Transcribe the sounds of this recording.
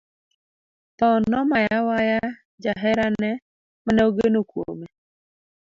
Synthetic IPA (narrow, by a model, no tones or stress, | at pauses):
t̪ɔnɔmajawaja | d͡ʒaɦɛɾanɛ | manɛoɡenokwo̰me